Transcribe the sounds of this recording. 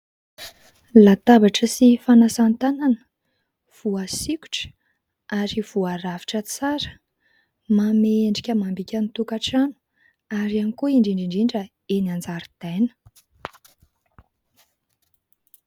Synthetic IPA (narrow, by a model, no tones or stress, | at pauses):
lat̪abaʈ͡ʂəsifanasant̪ananə̥ | v̥uasikʲu̥ʈ͡ʂə̥ | aɾiv̥uaɾavi̥ʈ͡ʂət͡saɾə̥ | mameeɳɖ͡ʐikʲəmambikʲanit̪ukaʈ͡ʂanu̥ | aɾianikuiɳɖ͡ʐiɳɖ͡ʐiɳɖ͡ʐiɳɖ͡ʐə | enand͡zaɾid̪̥ajnə̥